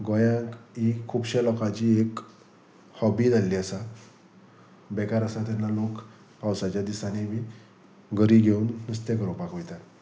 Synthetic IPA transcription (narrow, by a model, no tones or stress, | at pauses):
ɡɔjãkikʰubɕelɔkat͡ɕiːek | hɔbid͡zʱalːiːasa | bɛkaɾəsat̪̬anːalok | pawsat͡ɕjad̪isanemi | ɡʱəɾiɡʱeunːəst̪ekəɾɔpakojt̪at̪